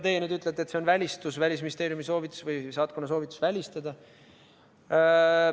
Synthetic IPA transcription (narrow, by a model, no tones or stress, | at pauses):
t̪e̞jenyːd̪yt̪ːˑlet̪e̞t̪se̞o̞nvælʲist̪usvælʲis̬minist̪e̞ːɾjumiso̞ːvit̪ːˑu̥svɯjsɑːt̪̚konɑs̬o̞ːvit̪ːˑu̥svælʲist̪ɑd̪̥ɑ